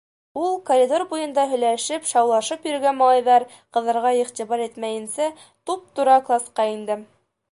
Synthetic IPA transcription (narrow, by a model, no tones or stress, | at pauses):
ulˠkoɾʲid̪orbujɤ̆nd̪ɑɦɵ̆jlæʃɘpʃɑwlˠɑʃɤpjɵ̆ɾɘ̆ɡænmɑlˠɑjðɑɾ | qɤ̆ðɤ̆ɾʁɑiχt̪iβɑɾit̪mæjɘ̆nsæ | t̪up̚t̪uɾɑklˠɑsqɑind̪ɘ